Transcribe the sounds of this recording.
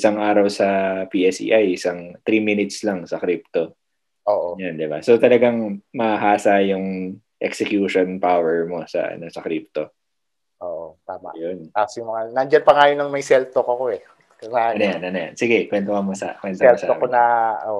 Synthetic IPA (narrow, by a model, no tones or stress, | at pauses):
ɪsaŋʔaːɾɐwsɐpiːʔɛsḭːʔajʔɪsaŋt̪ɾiːminɪt̪slɐŋsɐkɾip̚t̪o | ʔoːʔojand̪ɪba̰sot̪ɐlɐɡaŋmɐhaɦaːsajʊŋ | ʔɛ̰ksɛkjuːʃonpawɛɹmo̞sɐ̰ʔɐ̰nosɐkɾip̚t̪o̞ | ʔoːʔot̪aːma̰jont̪aːsojʊŋmɐŋanɐnd͡ʒanpɐŋaːjonɐŋmɐjsɛlt̪okoɐkoɛ | ɐŋaɐnɐjanʔɐnɐja̰nsɪɡɛkwɛnt̪oŋɐmosɐ̰kwɛnt̪oɛlsokonɐʔoʔ